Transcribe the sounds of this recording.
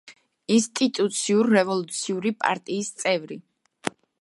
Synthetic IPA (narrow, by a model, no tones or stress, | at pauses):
inst̪ʼit̪ʼut̪sʰiuɾːɛvɔlˠut̪sʰiuɾipʼa̰ɾt̪ʼiːst̪sʼɛvɾi